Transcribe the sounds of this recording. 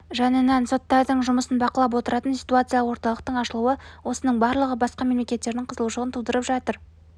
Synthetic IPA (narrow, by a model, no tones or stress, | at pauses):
ʒɑnenɑnso̞t̪ːɑɾd̪əɴʒʊməsənbɑqəlˠɑp̬wo̞t̪əɾɑt̪ənsʲi̥jt̪uat̪sɨjalˠəwo̞ɾt̪ɑlˠəq̚t̪əɴɑʃəlˠuəwo̞sənəɴbɑɾlˠəʁəbɑsqɑme̞mle̞kʲe̞t̪ːe̞ɾd̪ɪɴqʰəzəlˠuʃəʁənt̪ʰud̪əɾəpʒɑt̪əɾ